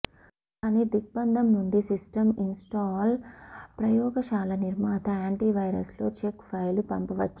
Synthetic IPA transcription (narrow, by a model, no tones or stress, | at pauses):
kaːniːd̪ik̚bɐnd̪ʱɐmnuɳɖisisʈɐminsʈaːlpɾɐjɔːɡɐʃaːlɐniɾmaːt̪ɐaːɳʈiːʋɐjɾɐ̰slo̞ːt͡ʃekpʰɐjlupɐmpɐʋɐt͡ʃːu